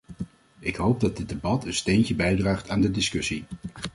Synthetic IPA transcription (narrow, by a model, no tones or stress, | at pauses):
ɪkɦowb̚dɑd̚dɪd̚debɑtʰənstejncəbɛjdraːχtaːndədɪskɵsi